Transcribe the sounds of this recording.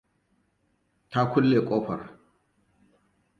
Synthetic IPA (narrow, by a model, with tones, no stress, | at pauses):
ta˦kʷʊ˦lːeː˨kʷʼoː˦ɸɐ̰˨r